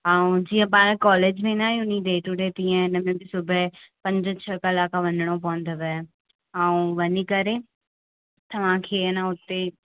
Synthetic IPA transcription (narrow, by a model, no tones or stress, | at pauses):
ɦãːũd͡ʒiːɛ̃p̬ãːɾɛ̃kɔːleːd͡ʒʋẽːnaːĩʊnĩːd̪eːʈuɖeːt̪iːɛ̃nəmẽbisʊbɛpə̃ɲd͡ʒə̃t͡ʃʰəkɪlaːkaʋə̃nəɽ̃õp̬ɔ̃ːnd̪əʋɛ | ɦãːũʋənikəɾeː | t̪ɐʋãːkʰeːnãʊt̪ːe